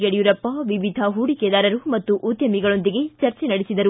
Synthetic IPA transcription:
ɡeɽjuɾɐpːɐʋiʋid̪ʱɐɦuːɽiked̪aːɾɐɾumɐt̪ːuʔud̪jɐmiɡɐɭo̞nd̪iɡe̞t͡ʃɐɾt͡ʃenɐɽesid̪ɐɾu

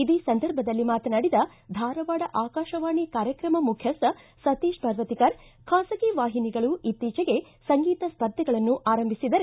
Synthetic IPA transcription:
id̪iːsɐnd̪ʱɐɾbʱɐd̪ɐlːimaːt̪ɐnaːɽid̪ɐ | d̪ʱaːɾɐʋaːɽɐʔaːkaːʃɐʋaːɳikaːɾjɐkɾɐmɐmukʰjɐsɐ | sɐt̪iːʃpɐɾʋɐt̪ikɐɾ | kʰaːsɐkiʋaːɦiniɡɐɭuʔit̪ːiːt͡ʃɐɡe̞ | sɐŋɡiːt̪ɐspɐɾd̪ʱːɐɡɐɭɐnːuʔaːɾɐmbʱisid̪ɐɾe

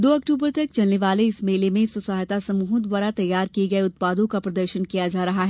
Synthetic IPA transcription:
d̪oːɐk̚ʈuːbəɾt̪ɐk̚t͡ʃɐlneʋaːleɪsmeːlemẽsʊsaːɦt̪asɐmuːɦʊd̪waːɾat̪ɐjːaːɾkiɡɐeʊt̪̚paːd̪õkapɾɐd̪əɾʃənkijad͡ʒaːɾɐɦaɦɛ

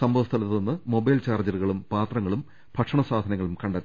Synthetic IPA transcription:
sɐmbʱɐʋɐst̪ʰɐlɐt̪ːonːɨmo̞bɐjlt͡ɕaːrd͡ʑɐruɣɐɭumpaːt̪rɐŋːɐɭum | b̥ʱɐkʂɐɳɐsaːd̪ʱɐnɐŋːɐɭumkɐɳɖɐt̪ː

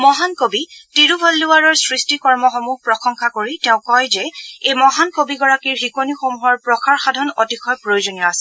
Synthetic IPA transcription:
mɔɦankobitiɹubʱɔlːuaɹɔɹsɹistikɔɹmɔxɔmuhpɹɔxɔŋxakoɹitɛʊ̃kɔjzɛejmɔɦankobiɡɔɹakiɹɦikonixomuɦɔɹpɹɔxʰaɹxadʱɔnotikʰɔjpɹojozonijɔasɛ

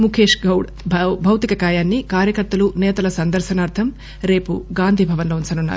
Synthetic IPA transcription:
mukʰeːʂɡɐwɽ | bʱɐwt̪ikɐkaːjaːnːikaːɾjɐkɐɾt̪ɐlunɛːt̪ɐlɐsɐnd̪ɐɾʃɐnaːɾt̪ʰɐm | ɾe̞ːpuɡaːnd̪ʱiːbʱɐʋɐnloːunt͡ʃɐnunːa̰ɾu

